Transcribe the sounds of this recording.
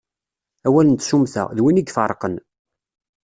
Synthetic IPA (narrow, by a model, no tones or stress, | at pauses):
æwælənt̪ʃumθæ̰ðwiniɡfəɾˤqən